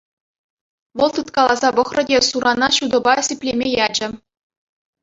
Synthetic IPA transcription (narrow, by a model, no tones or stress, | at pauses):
ʋɤ̆lˠt̪ɯt̪kɑlˠɑzɑbɤ̆χrɤ̆dʲesuɾɑnɑɕud̪ɤ̆bɑsʲepʲlʲemʲejɑd͡ʑɘ̆